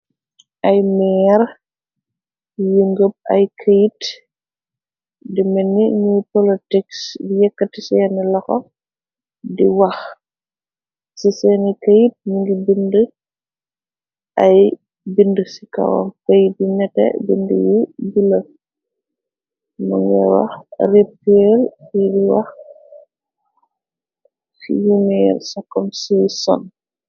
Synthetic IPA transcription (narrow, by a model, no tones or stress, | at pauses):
ʔɐjmɛːr | jəŋɡəp̚ɐ̰jkʰəjt | dimɛnːiɲupolitiksdijɛkːətisɛːnilɐxɔ | diwɐx | sisɛːnikəjt̚ɲuŋɡibində | ʔɐj | bindəsika̰wɔ̰mkɐjibiɲɛtɛ̰bindəjibilɐ | mṵŋɡɛwɐ̰xrepːelfidiwɐx | fḭjumɛrsɐkːɔmsisɔ̰n